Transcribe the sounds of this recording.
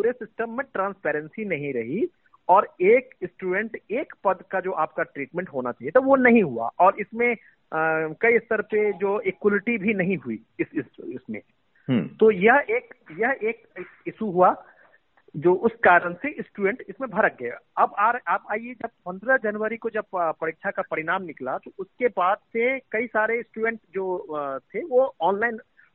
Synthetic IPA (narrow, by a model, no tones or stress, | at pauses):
puːɾesɪsʈəmːẽʈɾãːnspɛːɾə̃nsinɐɦĩɾɐɦi | ɔːɾeːksʈuːɖɛ̃ɳʈeːkpɐd̪kad͡ʒoːʔaːp̚kaʈɾiːʈmɛ̃ɳʈɦoːnat͡ʃaːɦiet̪oʋonɐɦĩɦua̰ʔɔːɾɪsmẽ | kɐist̪əɾped͡ʒoːekwlɪʈibʱinɐɦĩɦui | ɪsɪsɪsmḛ̃ | t̪ojɐɦeːkjɐɦeːkeːkɪsuɦua | d͡ʒoːʔʊskaːɾəɽ̃seʔɪsʈuːɖɛ̃ɳʈɪsmẽbʱɐɾək̚ɡɐja̰ɐbaːɾaːpaːied͡ʒɐb̚pɐ̃nd̪ɾəd͡ʒɐnʋəɾikod͡ʒɐb̚pːɾɐɾɪːkʃʰakapɐɾɪɽaːmnɪklat̪oʊskebaːd̪sekɐisaːɾesʈuːɖɛ̃ɳʈd͡ʒoːt̪ʰeʋoɔːnlaːɪn